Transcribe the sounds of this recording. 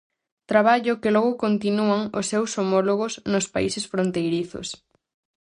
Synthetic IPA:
t̪ɾaβaʎʊkɪlɔɣʊkont̪inuaŋosːewsomɔloɣʊsnʊspaisesfɾont̪ejɾiθʊ̰s

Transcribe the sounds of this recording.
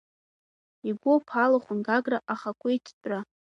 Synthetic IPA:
iɡʷopʰalaχʷʊnɡaɡraʔaχakʷʼʊitʰt͡sʼra

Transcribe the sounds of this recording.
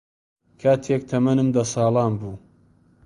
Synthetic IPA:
kʰaːt̪ʰek̚t̪ʰɐmɐnɨmd̪ɐsɑːlˠɑːnbuː

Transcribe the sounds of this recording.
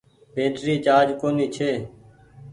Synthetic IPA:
bʱẽːʈɾiːt͡ʃaːd͡ʒkoːniːt͡ʃʰeː

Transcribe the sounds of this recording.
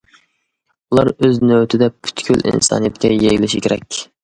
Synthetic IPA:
ulˠɑɾøznøwt̪ʰɪd̪ɛpʰy̥t̪kʲʰylḭnsɑ̰ːnɨjɛt̪kʲɛjejlɪʃikʲʰeɾɛkʲ

